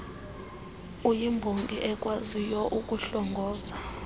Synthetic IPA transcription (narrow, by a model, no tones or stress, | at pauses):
ujimbʱoŋɡʱʼiʔɛkʼwazijɔʔukʼuɬɔŋɡʱɔːza